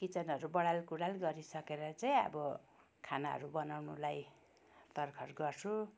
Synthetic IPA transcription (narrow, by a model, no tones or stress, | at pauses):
kit͡sʌnɦʌɾubʌɽalkuɽalɡʌɾisʌkeɾʌt͡saj̃ʌ̰bʌ | kʰanaɦʌ̰ɾubʌnawnulaj | t̪ʌrkʰʌrɡʌrt͡sʰu